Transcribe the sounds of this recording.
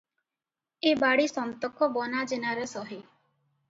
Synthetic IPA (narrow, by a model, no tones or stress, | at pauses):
ebaɽisɔnt̪ɔkɔbɔnad͡ʒenaɾesɔɦi